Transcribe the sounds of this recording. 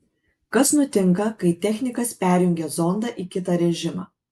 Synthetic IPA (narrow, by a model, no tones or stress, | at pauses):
kɐsnʊt̪ʲɪŋkɐkɐɪt̪ʲɛxʲnʲɪkɐspʲæːɾʲjʊŋʲɡʲɛzɔnd̪ɑʔikʲɪt̪ɑːɾʲɛʒʲɪmɑ̰ː